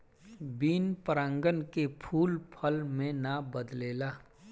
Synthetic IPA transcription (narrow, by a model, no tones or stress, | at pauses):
biːnpəɾə̃ŋɡənkepʰuːlpʰəlmẽnabəd̪leːlaː